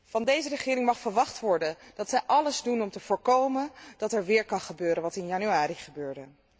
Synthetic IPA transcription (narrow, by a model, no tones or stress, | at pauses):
vɑndejzərəχɪːɾɪŋmɑχfəɹʋɑχtʋɔɹdənd̥ɑtsɛjʔɑləzdunɔmtəv̥ʊːɹkowmənd̥ɑtɛɹʋɪːɹkɑnχəbøːɾənʋɑtɪnjɑnyaːɾiχəbøːɹdə